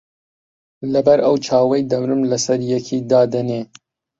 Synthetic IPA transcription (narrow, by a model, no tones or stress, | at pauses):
lɐbɐɾɐwt͡ʃʰɑːwɐjd̪ɐmɾɨmlɐsɐɾjɛkʰiːd̪ɑːd̪ɐneː